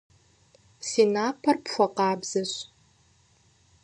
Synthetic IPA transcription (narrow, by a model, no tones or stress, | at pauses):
sinaːpʰɐrpxʷɐqɑːbz̥ɐɕ